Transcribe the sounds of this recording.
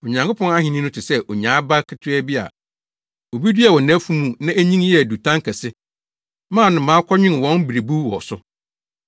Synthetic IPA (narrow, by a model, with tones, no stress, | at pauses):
o˨ɲã˨ŋkʰʊ˦pʰɔ̃˦na˦ɦɪ̃˨nĩ˦nʊ̃˦tʰɪ˨sɛ˦ʔo˨ɲã˨˦ba˦kʰɪ˨tʰʊ˦ɛ˦bi˦a̰˨ | o˨bi˦di˦ɛ˨wɔ˨næ̃˦fu˦mũ˦nã˦æ˦ɲĩ˦ŋ˦jɛ˦æ˨du˨tʰã˦ŋ˦kʰɛ˨sɪ˦ | mã˦˨nʊ̃˨mãː˨˦kʷʰɔ˦ɲᶣɪ̃˦n˨wɔ̃˦n˦bi˨ɾe˨bu˦wɔ˨sʊ˦